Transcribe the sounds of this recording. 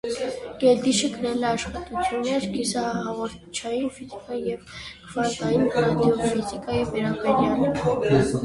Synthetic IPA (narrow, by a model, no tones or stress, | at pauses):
ɡ̥ɛd̪iʃəɡəɾɛlɛɑʃχɑt̪ut͡sʰjunːɛɾkisɑhɑʁɔɾt̪ʰt͡ʃʰɑjinfizikɑjijɛvkʰvɑɾt̪ɑjinɾɑd̪iɔfizikɑjivɛɾɑbɛɾjɑl